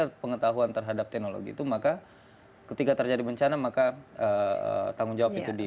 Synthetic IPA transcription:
apəŋət̪aɦuant̪ərɦadap̚t̪ɛk̚nolo̰ɡḭḭt̪umaka | kət̪ikat̪ərd͡ʒadibəɲt͡ʃanamakaəə̰t̪aŋʊŋd͡ʒawapit̪udi

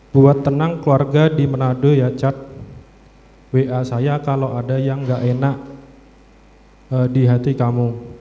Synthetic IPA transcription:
b̥uat̪ːənaŋkluarɡadimənadojat͡ʃat̪̚ | weʔasajakalowadajaŋɡaʔenaʔ | ədiɦat̪ikamu

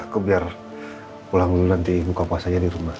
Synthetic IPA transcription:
akubiar | pulaŋnant̪imukapuasaɲadiɾumah

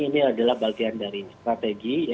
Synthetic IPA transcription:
iniadalahbalɡiandaɾist̪ɾat̪eɡij

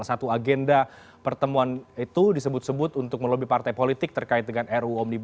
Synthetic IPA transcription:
asat̪uaɡɛnda | pərt̪əmuanit̪udisəbʊt̪̚səbʊt̪unt̪ʊk̚məlobipart̪ajpolit̪ɪk̚t̪ərkaɪt̪̚dəŋanɛruɔmnib

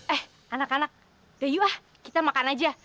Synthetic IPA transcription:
ɛh | anakanak̚ | d̥ajuah | kit̪amakanad͡ʒa

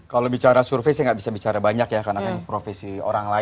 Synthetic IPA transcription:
kalobit͡ʃaɾasurfejsajaŋɡaʔbisabit͡ʃaɾabaɲakjakarnakanpɾofesio̰ɾaŋla

